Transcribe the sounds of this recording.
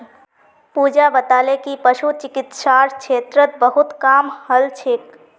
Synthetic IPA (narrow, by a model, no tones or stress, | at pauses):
pud͡ʒabət̪aːlekipəʃut͡ʃɪkɪt̪ʃaːɾkʰeːt̪ɾət̪̚bəɦʊt̪kaːmhəlt͡ʃʰek